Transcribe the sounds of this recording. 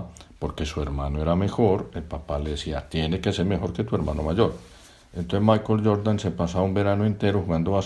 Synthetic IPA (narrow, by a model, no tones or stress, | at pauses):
po̞ɾke̞sue̞ɾmano̞e̞ɾame̞xo̞ɾe̞lpapale̞ðesiat̪je̞ne̞kese̞ɾme̞xo̞ɾket̪ue̞ɾmano̞̰maʝo̞ɾ | ent̪onsemajkold͡ʒo̞ɾd̪anse̞pasaβaumbe̞ɾanoe̞nt̪e̞ɾoxuɣand̪o̞βa